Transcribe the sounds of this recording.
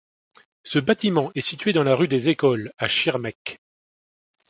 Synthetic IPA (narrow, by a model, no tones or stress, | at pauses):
səbat̪imɑ̃ɛsit̪ɥed̪ɑ̃laʁyd̪ezekɔlaʃiʁmɛk